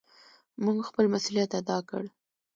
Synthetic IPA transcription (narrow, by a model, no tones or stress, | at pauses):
muɡxpəlmasulijat̪ad̪ɑkə̰ɽ